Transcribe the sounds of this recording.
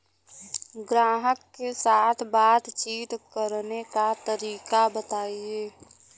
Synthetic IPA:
ɡɾaːɦəkːesaːt̪ʰbaːt̪t͡ʃiːt̪kəɾnekat̪əɾiːkabət̪aːieː

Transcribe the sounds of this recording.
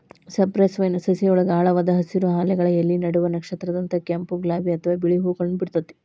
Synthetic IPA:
sɐɾpɾɐːsʋɐjnɐsɐsiɔɭɐɡaːɭɐʋaːd̪ɐɦɐsiɾuɦaːlɛɡɐɭɐjɐlːinɐɽuʋɐnɐkʂɐt̪ɾɐd̪ɐnt̪ɐkɐmpuɡlaːbiɐt̪ʰɐʋaːbiɭiɦuːɡɐɭɐnubiɽut̪ːɐt̪ːe̥

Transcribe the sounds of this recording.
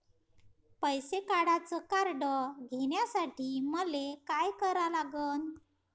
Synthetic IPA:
pəjsekaɽat͡səkaɾɖəɡʱeɳjasaʈʰiːməlekajkəɾalaɡəːn

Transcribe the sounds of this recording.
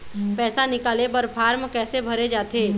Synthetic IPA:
pɛːsanɪkaːlebəɾpʰaːɾmkɛːsebʱɐɾed͡ʒaːt̪eː

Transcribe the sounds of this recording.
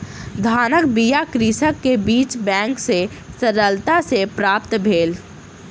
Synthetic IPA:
d̪ʱaːnək̚bijakɾisəkːebiːt͡ʃbɛ̃ːŋkse | səɾəlt̪asepɾaːpt̪bʱeːl

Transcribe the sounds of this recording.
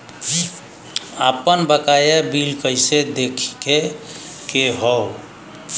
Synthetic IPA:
d͡ʒi | apənbəkajabilkəjsed̪ekʰi̥kekeɦɔw

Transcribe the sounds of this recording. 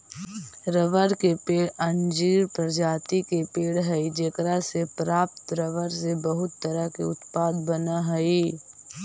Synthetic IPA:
ɾəʋəɾkepeːɽɐ̃nd͡ʒiːɾpɾəɾd͡ʒaːt̪ikepeːɽɦɛid͡ʒekɾasepɾaːp̚t̪ɾəʋəɾsebəɦʊt̪ːəɾəkeʊt̪paːd̪bənaɦɐi

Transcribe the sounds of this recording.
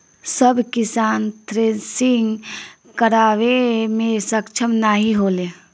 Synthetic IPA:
səbkɪsaːnt̪ʰɾeːsɪŋɡ | kəɾaːʋemẽsəkt͡ʃʰəmnaːɦiɦoːle

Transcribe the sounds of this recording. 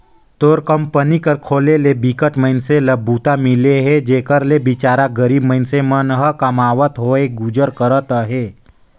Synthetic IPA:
t̪oːɾkəmpənikəɾkʰoːlelebikəʈməɪnseləbːut̪amileɦed͡ʒeːkəɾlebit͡ʃaːɾaɡəɾiːbməɪnsemənɦəkəmaːʋət̪ɦoeɡud͡ʒəɾkəɾət̪əɦeː

